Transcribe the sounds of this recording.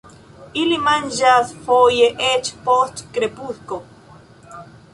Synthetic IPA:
ilimanʒasfojeʔet͡ʃpost̪kɾepuɬko

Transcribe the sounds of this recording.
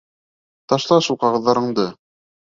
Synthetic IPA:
t̪ɑʃlˠɑʃulˠqɑʁɤ̆ðːɑɾɤ̆ɴd̪ɤ

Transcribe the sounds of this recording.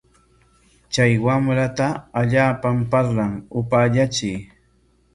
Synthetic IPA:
t͡ʃajwamɾat̪aːʎaːpampaɾlaŋʊpaːʎat͡ʃɪj

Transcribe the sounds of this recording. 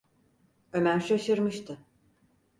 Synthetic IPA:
ømæɾʃaʃɯɾmɯʃt̪ʰɯ

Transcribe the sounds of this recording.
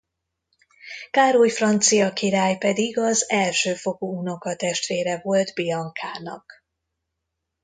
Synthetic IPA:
kaːɾojfrɒnt̪sijɒkiɾaːjpɛd̪iɡɒzɛlʃøːfo̞kouno̞kɒt̪ɛʃt̪ʋeːɾɛvo̞ld̪biɒŋkʰaːnɒ̰k

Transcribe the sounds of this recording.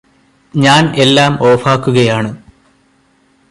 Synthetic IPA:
ɲaːne̞lːaːmo̞ːfaːkːuɣɐjaːɳɨ

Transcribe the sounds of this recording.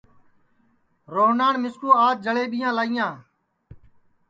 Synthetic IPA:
ɾoːɦnaːɳmɪskuːaːd̪̚d͡ʒəɭeːɓɪjãːlaːiːjãː

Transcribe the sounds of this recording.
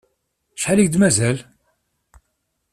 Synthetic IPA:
ʃħaliçd̪mæzæl

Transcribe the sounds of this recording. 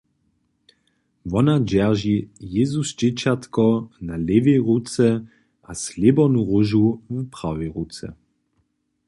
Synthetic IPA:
vɔnad͡ʑɛʁʒijezusd͡ʒɪt͡ɕat̪kɔnaleveʁut͡sɛ | ʔaslebɔnuʁuʒuvpʁaveʁut͡sɛ̰

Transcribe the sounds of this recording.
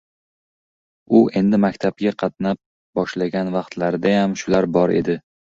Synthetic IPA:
ʊʔe̞nd̪ɪmakʲt̪ʰab̚ɡʲaqʰɑt̪nap̚ | bɒʃlaɡʲanvɑqt̪ʰlaɾd̪ajamʃʊlaɾbɒɾe̞̰d̪ɪ

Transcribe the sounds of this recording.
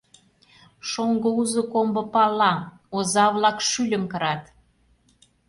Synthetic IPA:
ʃoŋɡouzokombɤ̆pɑlˠːɑ | ozɑβlɑkʃylʲə̆mkə̆ɾɑt̪

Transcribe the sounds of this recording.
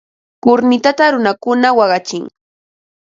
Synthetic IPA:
kʊɾnɪt̪at̪aɾʊnakʊnawɑɢɑt͡ʃɪŋ

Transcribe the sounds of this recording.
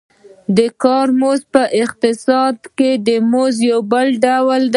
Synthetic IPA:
d̪əkɑɾmozpəʔɪq̚t̪ɪsɑd̪ked̪əmozjawbəlɖawld̪

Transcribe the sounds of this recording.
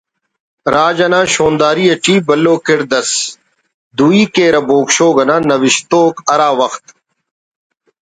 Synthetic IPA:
ɾaːd͡ʒɐnãːʃoːnd̪aːɾiːɐʈiːbɐlːoːkɪɾd̪ɐs | d̪uːiːkeːɾɐboːkʃoːɡɐnãːnɐʋɪʃt̪oːkɐɾaːʋɐxt̪

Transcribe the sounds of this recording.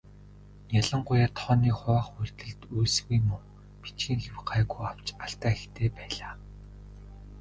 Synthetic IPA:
jaɮə̆ɴɢʊjaːt̪ʰɔːniːχʊwaːχuɮt̪ɘ̆ɮt̪ujsɣujmʊŋ | pi̥t͡ɕɡiːŋxewɢaːɣujaw̥t͡ɕaɬt̪aːext̪ʰeːpæːɮaː

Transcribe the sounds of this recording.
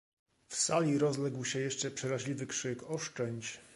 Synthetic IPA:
fsalʲiɾɔzlɛɡwɕɛjɛʂt͡ʂɛpʂɛɾaʑlʲivɘkʂɘkɔʂt͡ʂɛɲt͡ɕ

